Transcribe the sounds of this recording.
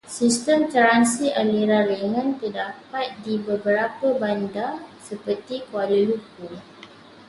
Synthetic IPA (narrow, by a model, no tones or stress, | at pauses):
sist̪əmt̪əɾansiʔaliɾaɾeŋə̃nt̪ədapat̪̚dibəbəɾapəbandasəpərt̪ikualuluku